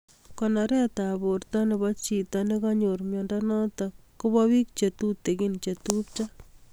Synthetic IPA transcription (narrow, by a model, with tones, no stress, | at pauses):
kɔnaɾɛ˦taborta˦ne˨ba˦t͡ʃi˨tane˦kaɲoɾmjɔndanɔ˦ta | ko˦bɔwi˦k̚t͡ʃe˨t̪u˦t̪e˨ki˦nt͡ʃe˨tu˦p̚t͡ʃa˦